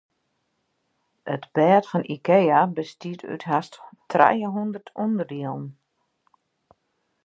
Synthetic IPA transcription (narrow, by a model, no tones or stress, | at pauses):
ətb̥ɛːtfɔnʔikejabəstiəty̰tɦasttrɛ̰jəɦundərtʰundərdiəlˠən